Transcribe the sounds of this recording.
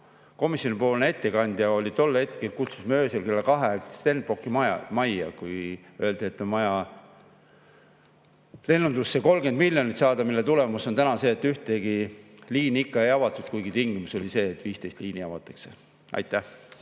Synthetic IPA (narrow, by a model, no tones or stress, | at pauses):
ko̞misʲjo̞nipo̞ːlnee̞t̪ːekɑnʲd̪̥jɑo̞lʲit̪o̞lːhe̞t̪̚ke̞lkut̪su̥smøːselke̞lːekɑɦek̪st̪e̞n̚po̞kːimɑjɑ̰mɑjɑ̰kuj | ø̞eld̪̥eet̪ːˑomɑjɑ | le̞nːund̪usːeko̞lɡenmilʲjonit̪sɑːd̪̥ɑmilːet̪ulemuso̞nt̪ænɑse̞ːt̪ːˑyht̪e̞ɡiliːniikːɑejɑvɑt̪ːˑut̪kujɡit̪iŋɡimuso̞lʲise̞ːt̪ːˑviːst̪e̞jst̪liːniɑvɑt̪ːˑɑ̥kse̞ | ʔɑ̰jt̪ːˑæh